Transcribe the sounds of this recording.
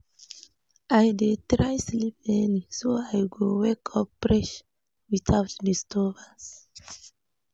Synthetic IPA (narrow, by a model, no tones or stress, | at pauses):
ajdetɾajslip̚ɛnisoajɡowɛkʰɔpːɹɛʃ | witʰaʊtdistʰɔvas